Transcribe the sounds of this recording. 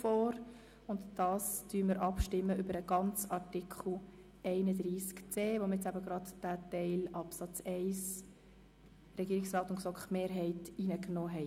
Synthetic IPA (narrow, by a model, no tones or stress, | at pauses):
fɔːɾ | ʊndd̥ɑːstyːməɾʔɑpʃtɪmːəʏbəɾəɡ̥ɑnt͡sɑɾtɪkχl̩ˠ | ʔɛɪnədɾiːskt͡seːvomɛt͡sæbəɡɾɑdd̥æːtɛɪlɑpsɑt͡sɛɪs | rɛɡiːɾɪksrɑːtʊnksɔkχmeːɾɦɛɪtiːnəknɔːɦɛɪ